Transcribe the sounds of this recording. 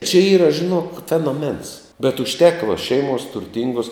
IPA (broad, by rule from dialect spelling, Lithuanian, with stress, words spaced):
t͡ʃʲɛ ˈiːrɐ ʒʲɪˈnoːk fʲɛnoːˈmʲɛns bʲɛt ʊʃʲˈtʲæːkɐ ʋɐ ˈʃʲɛɪmuɔs tʊrʲˈtʲɪŋɡuɔs